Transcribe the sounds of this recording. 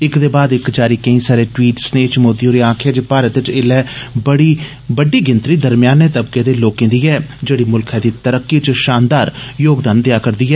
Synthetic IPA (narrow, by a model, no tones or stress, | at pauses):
ɪkd̪eːbaːd̪ɪkd͡ʒaːɾiːkəĩːsaːɾeːʈwiːʈsneːt͡ʃmoːd̪ioːɾeːãːkʰɛːd͡ʒːpaːɾət̪ɪt͡ʃɪlɛːbəɽiː | bəɖiːɡɪnt̪ɾiːd̪əɾmɪjaːnːeːt̪əbkeːd̪eːloːkːẽnd̪iːɛːd͡ʒeːɽiːmʊlkʰɛːd̪iːt̪əɾəkːiːt͡ʃʃaːnd̪aːɾjoːɡd̪aːnd̪ejaːkəɾd̪iːɦɛː